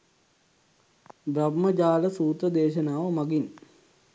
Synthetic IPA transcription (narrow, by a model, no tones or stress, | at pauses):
bɾabməd͡ʒaːləsuːt̪əd̪eːʃənaːʋəmaɡin